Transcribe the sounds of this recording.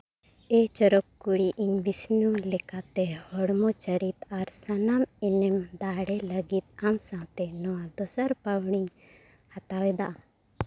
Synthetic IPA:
et͡ʃɔɾɔkːuɽiʔiɲʋisnulɛkat̪ɛhɔɽmɔt͡ʃəɾit̪aɾsanamɛnɛmd̪aːɽɛləɡit̪̚amsãt̪ɛnɔwãd̪ɔsəɾpəwɽ̃iɲ | hat̪awɛd̪aʔa

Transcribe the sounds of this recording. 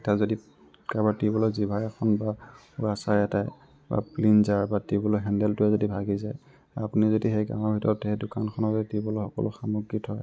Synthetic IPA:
tazodi | kabatibɔlozibʱaɹɛkʰɔnba | uasajɛtaj | ba̰plinzaɹbatibɔloɦɛndɛltʊɛzodibʱaɡizaj | apunizodixejɡã̰w̃ɔɹbʱitɔɹɔtedʊkankʰɔnɔtibɔloxɔkɔ̰lʔʊxamuɡːithɔj

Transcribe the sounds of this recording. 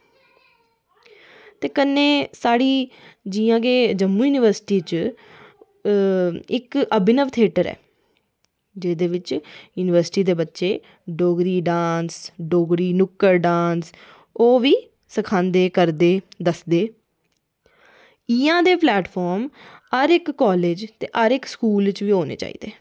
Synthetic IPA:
t̪eːkənːeːsaːɽiːd͡ʒiːãːkeːd͡ʒəmːuːjuːnɪʋəɾsɪ̥ʈiːt͡ʃ | ɪkəbɪnəʋt̪ʰeːʈəɾɛ̰ː | d͡ʒeːd̪eːʋɪt͡ʃjuːnɪʋəɾsʈiːd̪eːbətːʃeː | ɖoːɡɾiːɖãːnsɖoːɡɾiːnʊkːəɾɖãːns | oːʋiː | səkʰãːnd̪eːkəɾd̪eːd̪əsd̪eː | iːãːd̪eːplɛːʈpʰɔːɾməɾɪkːɔːleːd͡ʒt̪ḛːʔəɾɪkskuːlt͡ʃʋiːɦoːnḛːt͡ʃa̰ːḭːd̪eː

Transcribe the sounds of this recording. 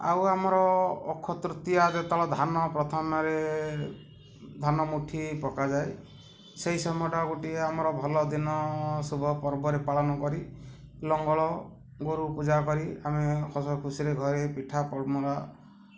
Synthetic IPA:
a̰wamɔɾɔːkʰɔt̪ɾut̪iad̪et̪aɭɔd̪ʱanɔpɾɔt̪ʰanɔɾe | d̪ʱanɔmuʈʰipɔkad͡ʒae | seɦisɔmɔʈaɡuʈieamɔɾɔbʱɔlɔd̪inɔsubʱɔpɔɾbɔɾepaɭɔnɔkɔɾi | lɔŋɡɔɭɔ | ɡoɾupud͡ʒakɔɾiamekʰɔsɔkʰusiɾeɡʱɔɾepiʈʰapɔɽmɔɾa

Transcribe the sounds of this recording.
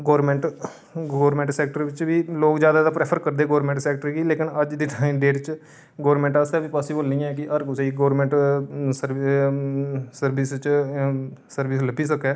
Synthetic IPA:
ɡoːɾmɛ̃ɳʈ | ɡɔːɾmɛ̃ːɳʈsɛːk̚ʈəɾʋɪt͡ʃʋiːloːkd͡ʒjaːd̪aːd̪aːpɾeːpʰəɾkəɾd̪eːɡoːɾmɛ̃ːɳʈsɛːk̚ʈəɾɡiːleːkɪnəd͡ʒd̪iːʈʰaːĩɖeːʈt͡ʃ | ɡoːɾmɛ̃ːɳʈaːst̪aːʋiːpaːsiːboːlnijãɛːkɪʔəɾkʊseiɡoːɾmɛ̃ːɳʈsəɾ | səɾbɪst͡ʃ | səɾʋɪsləbiːsəkːɛː

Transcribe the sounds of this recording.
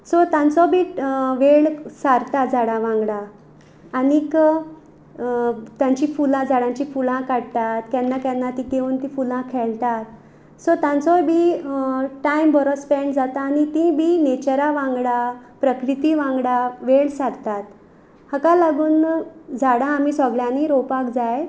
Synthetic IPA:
sɔt̪jãnt͡sɔbʱiʋeɭsaɾt̪at̪d͡zaɽãʋãŋɡɽaː | nik | t̪jãɲt͡ɕifulãd͡zaɽãɲt͡ɕifulãkaɽt̪at̪kjanːakjanːat̪ĩkeuːnt̪ĩfulãkʰɛɭt̪at̪̚ | sɔt̪jãnt͡sɔbʱi | ʈaimbɔɾɔspeɳɖd͡zat̪aːnit̪ĩbʱinet͡ɕəɾaʋãŋɡɽapɾəkɾit̪iʋãŋɡɽaʋeɭsaɾt̪at̪ | hakalaɡuːnd͡zaɽãːmisɔɡɭjãniɾopakd͡zaje

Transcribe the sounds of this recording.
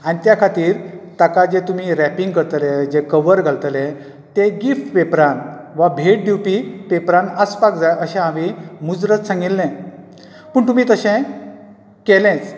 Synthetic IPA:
anit̪jakʰat̪iːɾt̪akad͡zet̪um̤iːɾæpiŋɡkəɾt̪led͡zekəʋəɾɡʱalt̪lɛ̃ | t̪eɡifʈʋepɾanʋabʱeʈ̚ɖ̪upipepɾanəspakd͡zajəɕɛ̃aʋimud͡zɾət̪sãŋɡilːɛ̃ | pəɳt̪umiːt̪əɕɛ̃ | kelɛ̃t͡s

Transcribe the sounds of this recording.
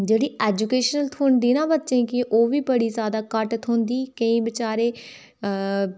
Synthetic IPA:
d͡ʒeːɽiːɛːd͡ʒukeːʃnəlt̪ʰʊːɳd̪iːnãːbətːʃẽːkɪʔoːʋiːbəɽiːzjaːd̪aːkəʈt̪ʰɦʊ̃nd̪iːkəĩːbɪt͡ʃaːɾeː

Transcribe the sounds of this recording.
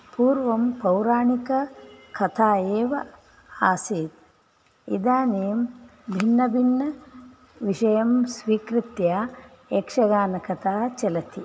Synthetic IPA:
puːɾʋɐmpɐwɾaːɳikɐkʰɐt̪ʰaːeːʋɐ | aːseːt̪̚ | id̪aːneːmbʱinːɐbʱinːɐ | ʋiʃɐjɐmsʋiːkɾit̪jaː | eːkʂɐɡaːnɐkɐt̪ʰaːt͡ʃɐlɐt̪ʰi

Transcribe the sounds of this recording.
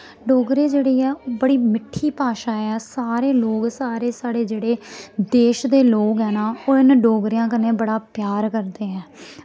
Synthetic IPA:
ɖoːɡɾeːd͡ʒeːɽiːɛːoːbəɽiːmɪʈʰːiːpaːʃaːɛːsaːɾeːloːksaːɾeːsaːɽeːd͡ʒeːɽeːd̪eːʃd̪eːloːkɦɛːnaːoːɪnɖoːɡɾɪjãːkəneːbəɽaːpjaːɾkəɾd̪eːɦɛ̃ː

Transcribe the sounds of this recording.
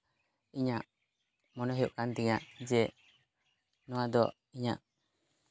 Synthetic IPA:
iɲaʔ | mɔnɔɦɛjuʔkant̪iŋaʔd͡ʒɛ | nɔwad̪ɔ | iɲaʔ

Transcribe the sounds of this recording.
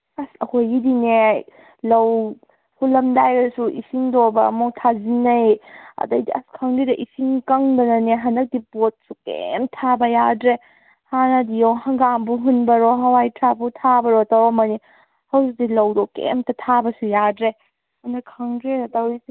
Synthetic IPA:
ɐsɐhojidine | lɐw | hʰulɐmdajɾɐsuʔisiŋdobɐːmuktʰazinɐjɐ̰dɐjdiɐ̰skʰɐŋdidɐʔisiŋkɐŋdɐnɐneɦɐndɐk̚dipot̚sukḛmtʰabɐjadɾe | hanɐdijowhɐŋɡambuɦunbɐɾɔɦɐwajtʰɾabutʰabɐɾɔtawamɐni | hɐwzuk̚dilɐwdɔkḛmtɐtʰabɐsujadɾe | hɐndɐkʰːɐŋdɾeɾɐtawis

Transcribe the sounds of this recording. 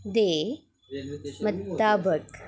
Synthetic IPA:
d̪eː | mɐt̪ːaːbək

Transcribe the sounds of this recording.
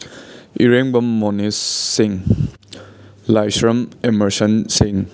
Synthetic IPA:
iɾeŋbɐmːonisːiŋ | lajsɾɐmemɐɾsɐnsiŋ

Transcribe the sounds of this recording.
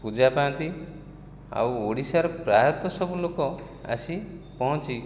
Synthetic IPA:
pud͡ʒapãnt̪i | a̰woɽisaɾɔpɾajɔt̪ːɔsɔbulokɔ | a̰sipɔɦɔ̃t͡ʃi

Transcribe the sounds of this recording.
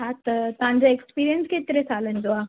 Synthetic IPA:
at̪ət̪ãɲd͡ʑaekspiːɾijənsket̪ɾesalənd͡zoa

